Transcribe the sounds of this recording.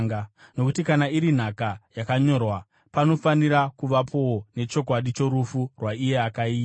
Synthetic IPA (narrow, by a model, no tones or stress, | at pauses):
ŋɡano̞kutikanaiɾin̤akajakaɲo̞rwa | pano̞faniɾakuʋapʰo̞wone̞t͡ʃo̞kwaɗit͡ʃo̞ɾufurwaije̞akaiːa